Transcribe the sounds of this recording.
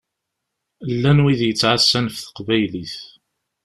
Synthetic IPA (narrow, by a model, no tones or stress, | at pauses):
lːænwiðjət͡sːʕasːænfθə̥qvæjliθ